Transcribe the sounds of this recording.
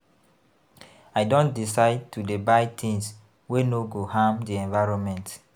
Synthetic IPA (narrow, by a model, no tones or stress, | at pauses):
aɪdõntdisaɪd̚tudebaɪtʰĩŋs | wenoɡohãmdiɛ̃nvaɹɔ̃nmɛ̃nt